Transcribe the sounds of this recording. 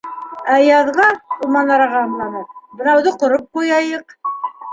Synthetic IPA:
æjɑðʁɑumɑnɑɾɑʁɑnlɑnɤbɤ̆nɑwðɤqŏɾop̚qujɑjɤq

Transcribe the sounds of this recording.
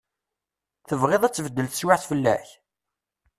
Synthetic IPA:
θəvʁeðˤæt͡sːvəd̪ːəlθə̥swaʕθfəlːæ̰ç

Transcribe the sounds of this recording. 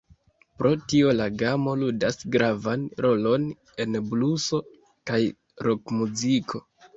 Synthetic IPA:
pɾo̞tio̞laɡamo̞ludasɡɾavanɾo̞lo̞n | e̞nbluso̞ | kaj | ɾo̞kmuzikʰo̞

